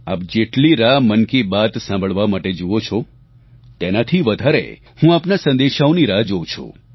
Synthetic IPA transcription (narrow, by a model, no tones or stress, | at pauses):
a̰p̚d͡ʒeʈliɾamənkibat̪sãmbʱəɭʋamaʈed͡ʒuʋot͡ʃʰɔ | t̪enat̪ʰiʋəd̪ʱaɾḛ | hũapnasə̃nd̪eʃaoniɾad͡ʒot͡ʃʰo̰